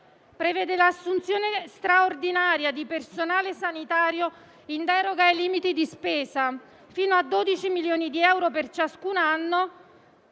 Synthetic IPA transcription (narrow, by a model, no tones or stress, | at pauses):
pɾevɛːd̪elaːsːunt̪sjoːnest̪ɾaord̪inaːɾjad̪ipersonaːlesanit̪aːɾjo | ind̪ɛːɾoɡaeliːmit̪id̪ispeːza | fiːnoad̪ːoːd̪it͡ʃimiljoːnid̪iɛwɾopert͡ʃaskunanːo